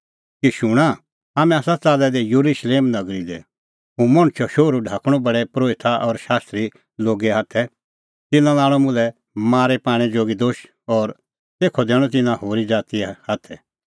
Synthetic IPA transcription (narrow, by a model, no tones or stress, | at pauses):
kiʃʊɽ̃a | aːmɛ̃aːsat͡saːlɛd̪ɛjuɾuʃleːmnɐɡɾid̪ɛ̰ | ɦũmɐ̃ɽ̃ʊt͡ʃʰɔʃoːɾuɖʱaːkʰɽ̃ɔ̃bɐɽɛpɾoːʋɪt̪ʰaʔɔɾʃaːst̪ɾi | loːɡɛɦaːt̪ʰɛ | t̪ɪnãlaːɭ̃ɔmʊ̃lɛ | maːɾɛpaːɽ̃ɛd͡ʒoːɡid̪oːʃ | ɔːɾ | t̪eːkʰɔd̪ɛːɽ̃ɔ̃t̪ɪnãhoːɾid͡ʒaːt̪ihaːt̪ʰɛ